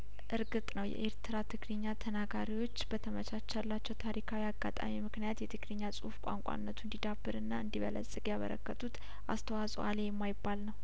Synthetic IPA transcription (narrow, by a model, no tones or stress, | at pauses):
ʔɨɾɡɨt̪ʼnəwjɛ̰ʔeɾt̪ʰɨɾat̪ʰɨɡlɨɲːat̪ʰənaɡaɾiwo̞t͡ʃːbət̪ʰəmət͡ʃʰat͡ʃːalːat͡ʃːɛwt̪ʰaɾikʰawiaɡːa̰t̪ʼa̰mimɨknijat̪jɛt̪ʰɨɡlɨɲːasʼufkʷʼa̰ŋkʷʼa̰nːət̪ʰuɨnd̪id̪abːɨɾɨnːaɨnd̪iβə̰lə̰sʼɨkʼjaβə̰ɾə̰kːət̪ʰʼut̪ | ʔa̰st̪ʰəwasʼo̰alejɛmːajɪbːalnəw